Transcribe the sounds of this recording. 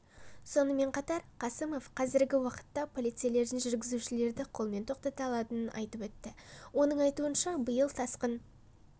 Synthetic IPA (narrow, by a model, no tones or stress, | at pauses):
so̞nəme̞ɴqʰɑt̪ɑɾqʰɑsəmo̞fqʰɑzɪɾɡʲɪwɑqə̥t̪ːɑpʰo̞lˠijt̪sijale̞ɾd̪ɪnʒʏɾɡʲɪzuʃɪle̞ɾd̪ɪqʰo̞lˠme̞nt̪ʰo̞q̚t̪ɑt̪ɑlˠɑt̪ənənʔɑ̰jt̪əpwɵt̪ːɪwo̞nəɴɑjt̪uənʃɑbəjəlˠt̪ʰɑsqən